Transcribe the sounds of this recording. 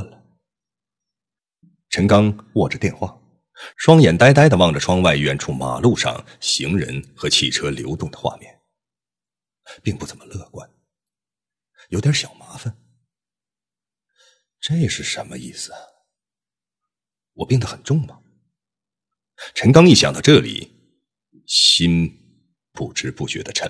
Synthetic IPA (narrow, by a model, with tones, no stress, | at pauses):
lə˩ | ʈ͡ʂʰə˧˥ŋkɑ˥ŋwɔ˥˩ʈ͡ʂə˩t̪jɛ˥˧nxwa̰˥˩ | ʂwɑ˥ŋjɛ˨˩nt̪a˥ɪt̪a˥ɪd̪ə˨wɑ˥˩ŋʈ͡ʂə˩ʈ͡ʂʰwɑ˥ŋwa˥˧ɪɥɛ˥˧nʈ͡ʂʰu˥˩ma̰˨˩lu˥˧ʂɑ̰˥˩ŋ | ɕi˧˥ŋɻə̰˧˥nxɤ˧˥t͡ɕʰi˥˩ʈ͡ʂʰɤ˥ljo̰˧˥ʊt̪ʊ˥˩ŋd̪ə̥˩xwa̰˥˧mjɛ̰˥˩n | pi˥˧ŋpu˥˩t͡sə˨˩nmə˦lɤ˥˧kwa˥n | jo˧˥ʊjɛ˧˥ɕjɑ˨˩ʊma˧˥fa˥˧n | ʈ͡ʂɤ˥˩ɪjʂɻ̩˥˩ʂə˧˥nmə̰˧i˥˩sɹ̩˩ | wɔ̰˨˩pji˥˩ŋd̪ə˩xə˨˩nʈ͡ʂʊ˥˩ŋmɐ˩ | ʈ͡ʂʰə˧˥ŋkɑ˥ŋi˥˩ɕjɑ˨˩ŋt̪ɑ˥˧˥ʈ͡ʂɤ˥˩lḭ˨˩ | ɕi˥n | pṵ˥˩ʈ͡ʂɻ̩˥pu˥˩t͡ɕɥɛ̰˧˥d̪ə˧ʈ͡ʂʰə˧˥n